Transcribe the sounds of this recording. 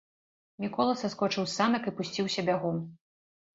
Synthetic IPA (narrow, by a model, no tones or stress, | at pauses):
mʲikɔlˠɐsɐskɔt͡ʂɨwsanɐkɨpusʲt͡sʲiwsʲɐbʲaɣɔm